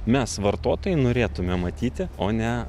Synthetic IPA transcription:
mʲɛsʋɐɾt̪oːt̪oːjɛɪnoːɾʲeːt̪ʊmʲɛmɐt̪ʲiːt̪ʲɪoːnʲɛ

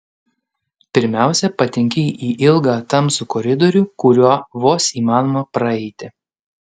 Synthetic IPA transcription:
pʲɪɾʲmʲæˑʊsʲɛpɐt̪ʲɪŋʲkʲɛʔiːʔɪlˠɡɑːt̪ɐmsʊkɔɾʲɪd̪ɔɾʲʊkʊɾʲuɔʋoːsiːmɑːnɔmɐpɾɐɛɪt̪ʲɪ

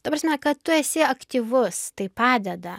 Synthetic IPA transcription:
t̪ɐpɾɑːsʲmʲɛkɐt̚t̪ʊɛsʲɪɐkt̪ʲiʋʊst̪ɐɪpɑːd̪ʲɛd̪ɐ

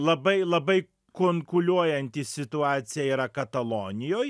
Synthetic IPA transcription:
lˠɐbɐɪlˠɐbɐɪ | koːŋkʊlʲuɔjɛnʲt̪ʲɪsʲɪt̪ʊɑːt̪sʲɪjɛiːɾɐkɐt̪ɐlˠoːnʲɪjoːj

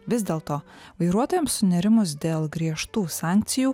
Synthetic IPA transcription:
ʋʲɪzʲd̪ʲeːlˠt̪oːʋɐɪɾuɔt̪oːjɛmssʊnʲɛɾʲɪmʊsd̪ʲeːlˠɡɾʲiɛʃt̪uːsɑˑŋʲk̚t̪sʲɪjuː

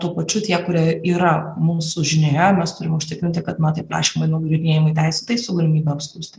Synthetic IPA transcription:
t̪uːpɐt͡ʃʲʊt̪ʲiɛkʊɾʲiɛiːɾɐmuːsʊʒʲɪnʲojɛmʲɛst̪ʊɾʲɪmʊʃʲt̪ʲɪkɾʲɪnʲt̪ʲɪkɐt̪mɐt̪ɐɪpɾɑ̰ːʃʲiːmɐɪnoʊɡlʲd̪ʲɪnʲeːjɪmɐɪt̪ʲɛɪsʲɛt̪ɐɪsʊɡɐlʲɪmʲiːbʲɛɐpskˠʊsʲt̪ʲɪ

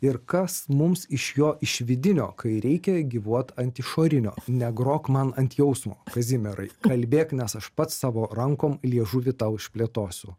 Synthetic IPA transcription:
ɪɾkɐsmʊmsɪʃjoːʔɪʃʋʲɪd̪ʲɪnʲo̰ːkʰɐɪɾʲɛɪkʲɛɡʲiːʋuɔt̪ɐnʲt̪ʲɪʃoːɾʲɪnʲoːnʲɛɡɾoːkmɐnɐnʲt̪ʲjɛʊsmoːkɐzʲɪmʲɛɾɐɪkɐlʲbʲeːknʲɛsɐʃpɐt̪ssɑːʋoːɾɐŋkoːmlʲiɛʒut̪ʲɪt̪ɐʊɪʃʲpʲlʲeːt̪oːsʲʊ

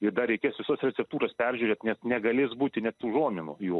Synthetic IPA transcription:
ɪd̪ɐɾʲɛɪkʲeːsʋʲɪsɐsrʲɛt͡sʲɛp̚t̪uːɾɐspʲɛrʲʒʲuːɾʲeːt̪nʲɛsnʲɛɡɐlʲɪːsbuːt̪ʲɪnʲɛt̪t̪uːʒuɔmʲɪnʊ̰juː

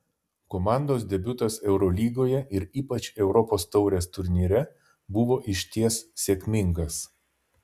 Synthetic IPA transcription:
komɑˑnd̪oːsd̪ʲɛbʲʊt̪ɐsɛʊɾɔlʲiːɡoːjɛʔɪɾiːpɐt͡ʃʲɛʊɾɔpoːst̪ɒʊɾʲeːst̪ʊɾʲnʲiːɾʲɛ | bʊʋoːʔɪʃʲt̪ʲiɛsːʲeːkʲmʲɪŋɡɐs

